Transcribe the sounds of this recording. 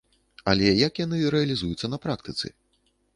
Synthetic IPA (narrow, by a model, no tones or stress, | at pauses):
ɐlʲɛjɐkjanɨɾɛɐlʲizujut̪sːɐnɐpɾak̚t̪ɨt̪sɨ̰